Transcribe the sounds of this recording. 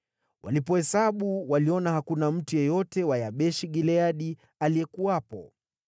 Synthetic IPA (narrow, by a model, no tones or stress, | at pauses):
wʔa̰lipɔhɛsaɓuwaliɔnahakunam̩tujɔjɔtɛwajaɓɛʃiɠilɛaɗi | alijɛkuapɔ